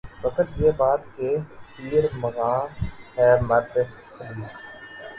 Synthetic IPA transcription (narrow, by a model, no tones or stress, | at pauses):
ʋəkət̪jeːbaːt̪kepiːɾməɣaːɦɛːmət̪ | xəd̪iːk